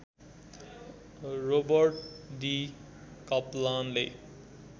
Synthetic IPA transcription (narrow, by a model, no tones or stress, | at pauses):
robʌɾʈd̪i | kʌplanle